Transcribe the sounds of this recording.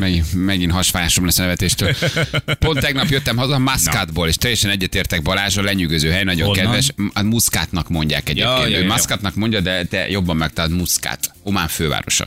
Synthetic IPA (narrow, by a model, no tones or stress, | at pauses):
mɛɡimɛɡinɦɒʃfaːjaːʃomlɛsːnɛvɛt̪eːʃt̪øːlponɛɡnɒpjøt̪ːɛmɦɒzɒmaskad̪boːleːʃt̪ɛjːɛʃɛnɛɟːɛt̪eːrt̪ɛɡ̚bɒlaːʒɒlɛɲyɡøzøːɦɛjnɒɟoŋkɛd̪vɛʃmuskaːt̪nɒkmo̞ɲɟa̰ːkɛɟeːpkeːnøːmaskat̪nɒkmo̞ɲɟɒd̪ɛt̪ɛ̰jo̞bːɒmːɛk̚t̪ɒld̪muska̰ːt̪ho̞maːɱføːva̰ːɾo̞̰ʃɒ̰